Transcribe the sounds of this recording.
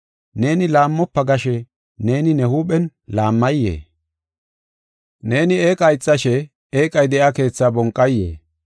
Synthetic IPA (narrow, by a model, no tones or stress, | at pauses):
ne̞ːnɪlaːmːɔpːɐɡɐʃɛ | ne̞ːnɪnɛhuːɓɛnlaːmːɐjːḛː | ne̞ːnɪeːkʼɐjt͡sʼːɐʃɛ | eːkʼɐjd̪ɛʔake̞ːt͡sːabɔŋkʼːɐjːḛː